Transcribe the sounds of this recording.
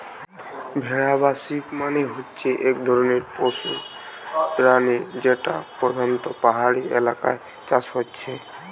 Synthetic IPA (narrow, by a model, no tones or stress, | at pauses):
bʱɛɾabasipmaneɦotːt͡ʃʰeʔekd̪ʱɔɾɔneɾpɔsṵ | ɾaned͡ʒeʈa̰pɾɔd̪ʱant̪ɔpaɦaɾiḛlaka̰j | t͡ʃasɦott͡ʃʰe